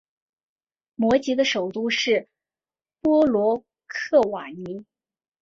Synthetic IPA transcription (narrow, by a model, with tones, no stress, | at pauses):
mwɔ˧˥t͡ɕi˧˥d̪ə˧ʂo˨˩ʊt̪u˥˧ʂɻ̩˥˩ | pwɔ˥lwɔ˧˥ | kʰɤ˥˩wa˨˩ni˧˥